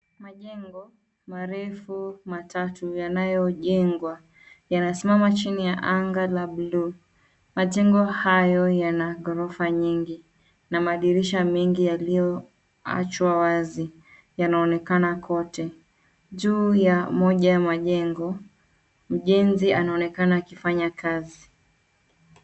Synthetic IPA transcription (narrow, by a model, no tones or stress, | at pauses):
maʄɛŋɡɔ | maɾɛfumatatujanajɔʄɛŋɡwa | janajɔsimamat͡ʃinijaʔaŋɡalablu | maʄɛŋɡɔhajɔjanaɡɔɾɔfaɲiŋɡi | namaːɗiɾiʃamiŋɡijalijɔ | a̰t͡ʃwawazi | janaɔnɛkanakʰɔtɛ | ʄuːjamɔʄajamaʄɛŋɡɔ | m̩ʄɛnzianaɔnɛkanaːkifaɲakazi